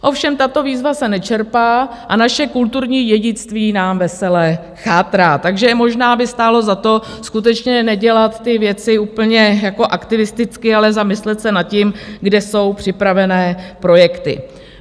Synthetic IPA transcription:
ʔo̞fʃɛmt̪at̪o̞viːzvasɛnɛt͡ʃɛɾpaː | ʔanaʃɛkult̪uɾɲiːjɛɟɪt͡st̪viːnaːmvɛsɛlɛ | xaːt̪ɾaːt̪aɡʒɛmo̞ʒnaːbɪst̪aːlo̞zat̪o̞skut̪ɛt͡ʃɲɛnɛɟɛlat̪ːɪvjɛt͡sɪuːpl̩ɲɛjako̞ʔakt̪ɪvɪst̪ɪt͡skɪalɛzamɪslɛt̪sɛnat̪̚cɪmɡdɛso̞wpr̝̥ɪpɾavɛnɛːpɾo̞jɛkt̪ɪ̰

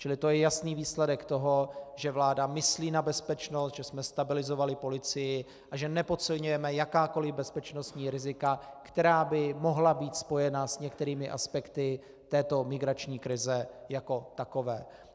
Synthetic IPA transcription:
t͡ʃɪlɪt̪o̞jɛjasniːviːslɛdɛkt̪o̞ɦo̞ʒɛvlaːdamɪsliːnabɛspɛt͡ʃno̞st̪ʒɛsmɛst̪abɪlɪzo̞valɪpo̞lɪt͡sɪjɪ | ʔaʒɛnɛpo̞t̪sɪlɲujɛmɛjakaːko̞lɪvbɛspɛt͡ʃno̞st̪ɲiːɾɪzɪkakt̪ɛɾaːbɪmo̞ɦlabiːt̪spojɛnasɲɛkt̪ɛɾiːmɪʔa̰spɛkt̪ɪ | t̪ɛːt̪o̞mɪɡɾat͡ʃɲiːkɾɪzɛjako̞t̪ako̞vɛː

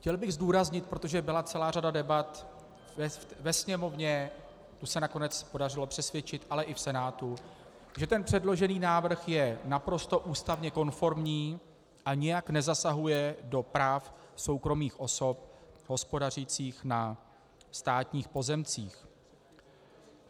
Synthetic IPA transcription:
xcɛlbɪɣzduːɾazɲɪt̪̚pɾo̞t̪oʒɛbɪlat͡sɛlaːradadɛbat̪ | ɛvɛsɲɛmo̞vɲɛ | t̪usɛnako̞nɛt͡spo̞dar̝ɪlo̞pr̥ɛsvjɛt͡ʃɪt̪ʔalɛʔɪfsɛnaːt̪u | ʒɛt̪ɛnpr̥ɛdlo̞ʒɛniːnaːvr̩xjɛnapɾo̞st̪o̞ʔuːst̪avɲɛko̞nfo̞ɾmɲiː | ʔaɲɪjaknɛzasaɦujɛdo̞pɾaːfso̞wkɾo̞miːxʔo̞so̞p̚ɦo̞spo̞dar̝it͡siːxna | st̪aːt̪ɲiːxpo̞zɛmt͡siːx

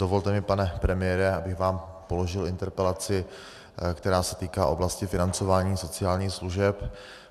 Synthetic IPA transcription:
d̥ovo̞lt̪ɛmɪpanɛpɾɛmɪjɛːɾɛʔabɪɣvaːm | po̞loʒɪlɪnt̪ɛɾpɛlat͡sɪ | kt̪ɛɾaːsɛt̪iːkaːʔo̞blascɪfɪnant͡so̞vaːɲiːso̞t͡sɪaːlɲiːxsluʒɛp

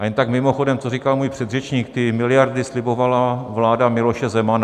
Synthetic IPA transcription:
jɛnt̪akmɪmo̞xodɛmt͡sorikalmuːjpr̝̥ɛd̪rɛt͡ʃɲiːk̚t̪ɪmɪlɪjaɾdɪslɪbo̞valavlaːdamɪlo̞ʃɛzɛmana

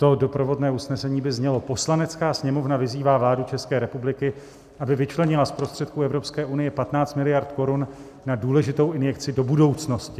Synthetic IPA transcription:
t̪o̞do̞pɾo̞vo̞dnɛːusnɛsɛɲiːbɪzɲɛlo̞po̞slanɛt͡skaːsɲɛmo̞vnavɪziːvaːvlaːdut͡ʃɛskɛːɾɛpublɪkɪ | ʔabɪvɪt͡ʃlɛɲɪlaspɾost̪r̥ɛt̪̚kuɛvɾo̞pskɛːʔunɪjɛpat̪naːt͡st̪mɪlɪjaɾt̪ko̞ɾunː | aduːlɛʒɪt̪o̞wɪnjɛk̚t͡sɪdo̞budo̞wt͡sno̞scɪ

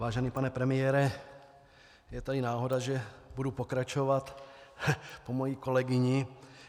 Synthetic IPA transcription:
aːʒɛniːpanɛpɾɛmɪjɛːɾɛ | jɛt̪adɪnaːɦo̞daʒɛbudupokɾat͡ʃovat̪ | pomojiːko̞lɛɡɪɲɪ

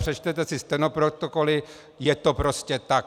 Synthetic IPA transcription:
pr̥ɛt͡ʃt̪ɛt̪ɛsɪst̪ɛnopɾot̪okolɪ | jɛt̪opɾo̞scɛt̪ak

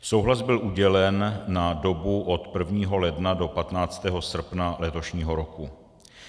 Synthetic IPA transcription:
sowɦlazbɪlʔuɟɛlɛnːado̞buʔot̪pr̩vɲiːɦo̞lɛdnado̞pat̪naːt͡st̪ɛːɦo̞sr̩pnalɛt̪o̞ʃɲiːɦo̞ɾo̞ku

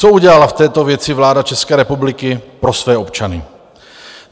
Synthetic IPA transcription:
t͡souɟɛlalaft̪ɛːt̪o̞vjɛt͡sɪvlaːdat͡ʃɛskɛːɾɛpublɪkɪpɾosvɛːopt͡ʃanɪ̰

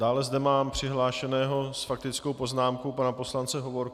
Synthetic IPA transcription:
d̥aːlɛzdɛmaːmpr̥ɪɦlaːʃɛnɛːɦo̞sfak̚t̪ɪt͡sko̞wpo̞znaːmkowpanapo̞slant͡sɛɦo̞vo̞ɾk

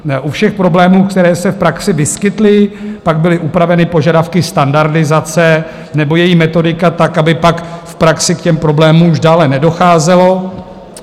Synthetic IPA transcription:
ʔufʃɛxpɾo̞blɛːmuːkt̪ɛɾɛːsɛfpɾaksɪvɪskɪt̪lɪpaɡ̚bɪlɪʔupɾavɛnɪpo̞ʒadafkɪst̪andaɾdɪzat͡sɛ | nɛbo̞jɛjimɛt̪o̞dɪkat̪akʔabɪpakfpɾaksɪkcɛmpɾo̞blɛːmumuʒdaːlɛnɛdo̞xaːzɛlo̞

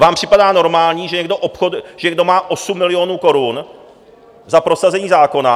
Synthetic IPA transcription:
vaːmpr̝̥ɪpadaːno̞ɾmaːlɲiːʒɛɲɛɡdo̞ʔopxodʒɛɲɛɡdo̞maːʔosumːɪlɪjo̞nuːko̞ɾun | zapɾo̞sazɛɲiːzaːko̞na

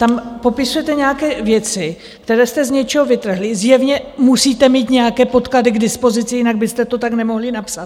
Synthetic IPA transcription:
t̪ampo̞pɪsujɛt̪ɛɲɛjakɛːvjɛt͡sɪ | kt̪ɛɾɛːst̪ɛzɲɛt͡ʃɛɦovɪt̪r̩ɦlɪzjɛvɲɛmusiːt̪ɛmiːt̪ɲɛjakɛːpo̞t̪kladɪɡdɪspo̞zɪt͡sɪjɪnaɡ̚bɪst̪ɛt̪o̞t̪aknɛmo̞ɦlɪnapsat̪

